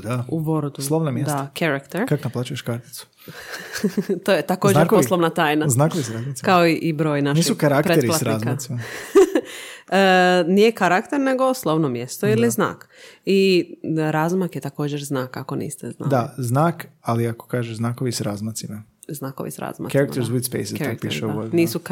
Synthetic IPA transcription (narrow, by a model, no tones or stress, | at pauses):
d̪auboɾd̪usloʋnamjed̪sakʰaɾakt̪eɾkakonaplaːt͡ʃujeʃkaɾt̪i̥t̪su̥ | t̪oːjet̪akod͡ʒɾkposlˠoʋnat̪aːjnaznakoʋisɾazmakaoiʔibɾo̞ːjnanʃiːsisukaɾakptɾeeɾilsaɾzkmasima | ənijekaɾakt̪eɾne̞ɡoslˠoʋnomjest̪oilizna̰ːki | ɾaːzmakjet̪ako̞ːd͡ʑeɾznaːkako̞nḭːst̪ezna̰d̪aznaːkaliako̥kaːʒeznaːkoʋisɾazmat̪sima | znaːko̰ʋḭsɾa̰zma̰kaiɾakmt̪eɾzid̪spḛjsiokpḭʃeoniːsu